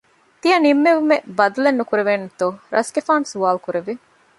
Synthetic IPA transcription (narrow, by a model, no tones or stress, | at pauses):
t̪ijɐnimːeʋumebɐd̪ɐlenːukuɾeʋeːnut̪oɾʔɐ̰sɡefaːnsuʋaːlkuɾeʋi